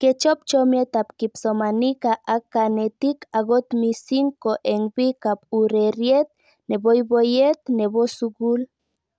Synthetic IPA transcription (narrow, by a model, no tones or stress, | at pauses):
ket͡ʃop̚t͡ʃomjet̪apkipsomanikaʔakanet̪ikaɡot̪misiŋkoʔeŋbikap̚uɾeɾjet̪̚ | nebojbojet̪nebosuɡul